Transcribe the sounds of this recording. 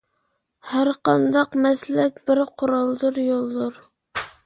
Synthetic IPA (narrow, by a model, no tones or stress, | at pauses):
hæɾqɑnd̪ɑqmɛslɛkʲbɪɾqʰʊɾɑlˠd̪ɨɾjolˠd̪ʊɾ